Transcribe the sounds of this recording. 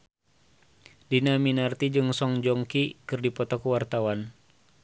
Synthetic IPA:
dinaminart̪id͡ʒɨŋsɔŋd͡ʒɔŋkikɨrdipɔt̪akuwart̪awan

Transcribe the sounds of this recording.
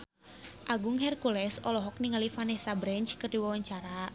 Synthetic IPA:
ʔaɡuŋɦɛrkulɛsɔlɔɦɔk̚niŋalifanɛsabɾɛnt͡ʃkərdiwawaɲt͡ʃaɾa

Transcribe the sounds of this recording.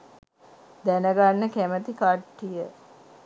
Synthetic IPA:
d̪ænəɡanːəkæmət̪ikaʈːijə

